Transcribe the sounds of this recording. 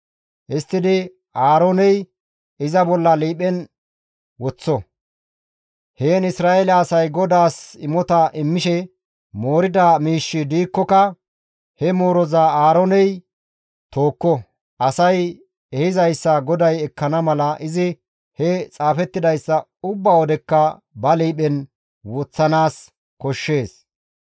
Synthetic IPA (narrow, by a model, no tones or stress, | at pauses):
ʔɪst̪ːɪd̪ɪ | aːɾonɛj | ɪzɐbɔlːɐliːpɛn | wɔt͡sːɔ | heːnɪsɾaːʔelɛɐsɐjɡɔd̪aːsɪmɔt̪ɐʔɪmːɪʃɛ | mo̞ːɾɪd̪amiːʃːɪd̪iːkːɔkɐ | hɛmo̞ːɾɔzaːaːɾɔnɛj | t̪o̞ːkːɔ | ʔɐsɐj | ɛhɪzɐjsːɐɡɔd̪ɐjɛkːɐnɐmɐlɐʔɪzɪ | hɛt͡sʼaːfɛt̪ːɪd̪ɐjsːɐ | ʊbːaːwɔd̪ɛkːɐ | bɐliːɓɛn | wɔt͡sːɐnaːs | kɔʃːe̞ːs